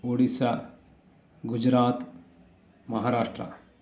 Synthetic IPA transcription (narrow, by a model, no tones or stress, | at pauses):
oːɽisa | ɡʊd͡ʒɾaːt̪ | mɐɦaːɾaːʂʈɾɐ̰